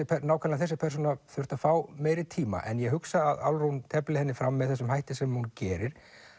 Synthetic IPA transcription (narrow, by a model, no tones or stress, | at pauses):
ɪpʰɛnaːwkʰalaθɛs̬ɪpʰɛr̥s̬unaθʏr̥t̪afaːwmeːjɾɪt̪ʰiːma̰ʔɛ̰njɛɦʏksaːða̰lrunt̪ʰɛplɪhɛnːɪfɾamːɛðθɛsːʏmhajht̪ɪsɛmhuncɛːɾɪɾ̥